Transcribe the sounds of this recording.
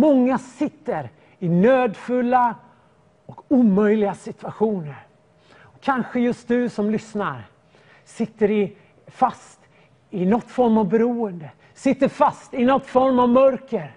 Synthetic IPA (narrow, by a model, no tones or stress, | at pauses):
mɔŋːasɪt̪ːəɾ | ɪnøːd̪fɵlːa | ɔkuːmœjlɪɡasɪt̪ʉ̥aɧuːnəɾ | ɔkʰanɧəjɵst̪̚d̪ɵsɔmlʏsnaɾ | sɪt̪ːəɾɪ | fast̪ | ɪnɔt̪ːfɔɾmavbɛɾuːənd̪ə | sɪt̪ːəɾfast̪ɪnɔt̪ːfɔɾmavmœɾkəɾ